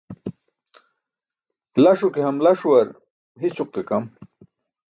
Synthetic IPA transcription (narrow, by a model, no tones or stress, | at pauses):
lɐʂukeɦɐmlɐʂuwɐɾ | ɦit͡ɕʰuq̚kekɐm